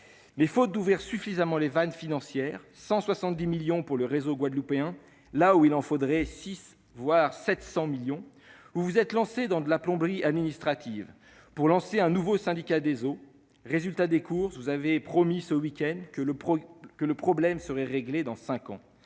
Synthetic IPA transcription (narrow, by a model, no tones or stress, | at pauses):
mɛfot̪̚d̪uvʁiʁsyfizamɑ̃levanfinɑ̃sjɛʁ | sɑ̃swasɑ̃t̪̚d̪imiljɔ̃puʁləʁezoɡwad̪lupeɛ̃ | lauilɑ̃fod̪ʁɛsis | vwaʁsɛt̪sɑ̃miljɔ̃ | uvuzɛt̪lɑ̃sed̪ɑ̃d̪əlaplɔ̃bʁiad̪minist̪χat̪ʰiv | puʁlɑ̃seɛ̃nuvosɛ̃d̪ikʲad̪ezo | ʁezylt̪ad̪ekuʁsvuzavepχɔmisəwikʲɛnd̪kəpɔkələpχɔblɛmsəʁɛʁeɡled̪ɑ̃sɛ̃kɑ̰̃